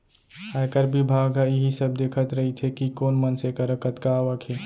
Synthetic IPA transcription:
hajkəɾbibʱaɡɦaiɦisəbd̪ekʰət̪ɾəɦit̪ʰekikonmənsekəɾəkət̪kaʋəkʰe

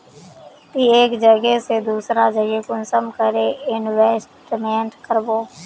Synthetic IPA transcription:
t̪iːeːkd͡ʒəɡeːseːd̪uːsɾãːd͡ʒəɡeːkʊnsəmkəɾeːɪnʋeːsʈɖɪmɛ̃ːɳɖkəɾboː

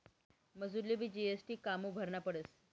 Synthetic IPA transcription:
məd͡zuɾlibʱiːd͡ʑiesʈiːkamuːbʱəɾɳapəɽəs

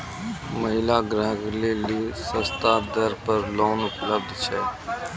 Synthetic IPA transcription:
məɦɪlaɡɾəɦəkleːlisə̃st̪ad̪əɾpəɾloːnʊpləb̚d̪t͡ʃʰɛ̰ː

